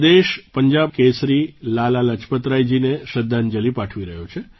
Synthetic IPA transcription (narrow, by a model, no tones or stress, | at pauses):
d̪eʃpəɲd͡ʒab̚kesɾilalalət͡ʃpət̪ɾajd͡ʒineʃəd̪ʱːand͡ʒəlipaʈʰʋiɾəɦjot͡ʃʰe